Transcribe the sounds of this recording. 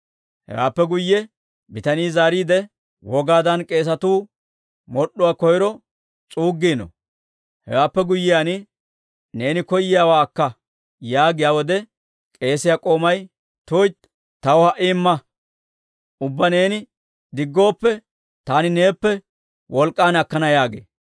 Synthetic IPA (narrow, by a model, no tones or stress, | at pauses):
hɛ̰wa̰ːpːɛɡʊjːɛ | bɪt̪ɐniːzaːɾiːd̪ɛ | wɔɡaːd̪ɐnkʼe̞ːs̬ɐt̪uː | mɔɗʊwaːkɔjɪɾɔ | t͡sʼuːɡːiːnɔ̰ | hɛ̰waːpːɛɡʊjːɪjanɪ | ne̞ːnɪkɔjːɪjaːwaːkːɐ | jaːɡɪjaːwɔd̪ɛ | kʼe̞ːsɪjakʼo̞ːmɐj | t̪oːjt̪ | t̪ːɐwɔhɐʔimːɐ | ʔʊbːɐne̞ːnɪ | d̪ɪɡːo̞ːpːɛ | t̪aːnɪne̞ːpːɛ | wʔɔlkʼːaːnɐkːɐnɐjaːɡḛː